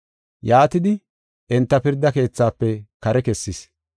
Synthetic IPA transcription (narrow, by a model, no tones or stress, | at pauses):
jaːt̪ɪd̪ɪ | ʔɛnt̪ːɐpɪɾd̪ːɐke̞ːt͡sːaːpːɛkɐɾɛkɛsːɪs